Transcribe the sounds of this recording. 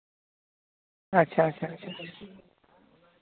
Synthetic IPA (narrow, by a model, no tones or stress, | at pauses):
ɐtːɕʰaɐtːɕʰaɐtːɕʰaḁ